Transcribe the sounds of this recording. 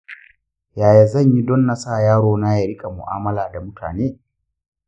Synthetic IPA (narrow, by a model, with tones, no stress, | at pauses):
jaː˨ja˨zɐ˦˨ɲji˦dɔ˦nːa˦saː˦˨jaː˦ɽoː˨na˦ja˨ɾɪ˦kʼa˨mʊ̰˨ʔa̰ː˦mɐ˦laː˨da˨mʊ˦tʰa̰ː˨neː˦